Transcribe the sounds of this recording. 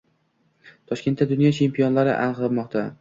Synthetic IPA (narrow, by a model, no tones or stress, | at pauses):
t̪ʰɒʃkʲe̞nt̪ːad̪ʊnjɒt͡ʃʰe̞mpʰijonlaɾɪ̰ʔa̰nqlˠɨmɒqt̪ʰa